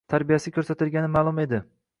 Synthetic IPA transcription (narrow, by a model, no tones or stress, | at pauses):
t̪ʰaɾbijasɪkʰʲɵɾsat̪ʰɪlɡʲanɪmaːlˠʊme̞d̪ɪ